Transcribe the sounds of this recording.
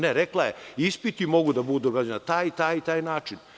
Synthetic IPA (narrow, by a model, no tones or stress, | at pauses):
neɾeklajeispit̪imo̞ɡud̪abud̪ud̪oɡaːd͡ʑenat̪aːjt̪aːjit̪aːjnaːt͡ʃin